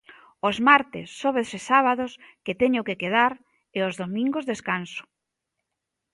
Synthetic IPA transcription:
ozmaɾt̪ɪsːoβesɪsaβaðosket̪ɛɲʊkekeð̞aɾ | eozðomĩŋɡozðeskansʊ̥

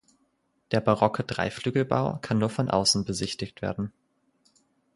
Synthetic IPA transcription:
d̥eːɐbaʁɔkʰəd̥ʁa̰ɪflyːɡl̩ba̰ʊkʰanːuːɐfɔnʔa̰ʊsn̩bəzɪçtɪçtv̥ḛːɐdn̩

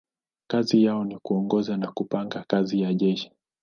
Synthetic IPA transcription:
kazijaɔnikuɔŋɡɔzanakupaŋɡakazijaʄɛʃi̥

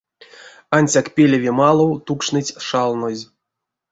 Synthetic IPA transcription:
anʲsʲakpʲelʲevʲemalˠowt̪ukʂnɨtʲʂalˠnozʲ

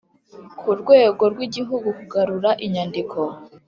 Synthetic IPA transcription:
kʰuɾɡwe̞ːɡo̞ɾɡwiɟiɦuɡukuɡaɾuɾaʔiɲandikʰo̞

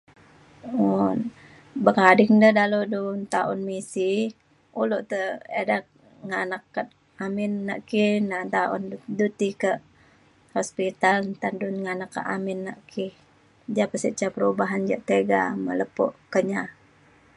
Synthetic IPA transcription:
un | bəkadɪŋndədaludunt̪aʊnmisih | uluʔt̪əeda | ŋanakːa | amɪnːa̰ʔkihnat̪aʊ̰ndut̪ikəʔ | hɔspit̪alt̪andunŋanakːa̰ʔa̰mɪnːaʔkʰih | d͡ʒapəsiʔt͡ʃapəɾubaɦand͡ʒa̰ʔt̪eɡa̰mə̰ləpɔ̰ʔkəɲa

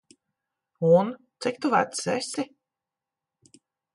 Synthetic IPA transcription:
unt̪sik̚ʲt̪uva̰t̪sɛsʲi

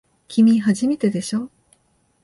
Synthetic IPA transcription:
kʲʰimʲiɦaʑime̞t̪e̞d̪e̞ɕo̞ː

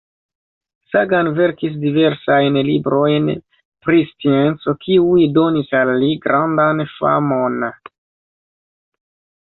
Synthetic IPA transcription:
saɡanve̞ɾkis̬dive̞ɾsajnlibɾo̞jn | pɾist͡sient͡so̞kʰiujdo̞nisalːiɡɾandanfa̰mo̞n

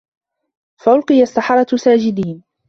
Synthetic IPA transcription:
faʔʊlqɨjasːɑħɑɾˤɑsaːd͡ʒɪd̪iːn

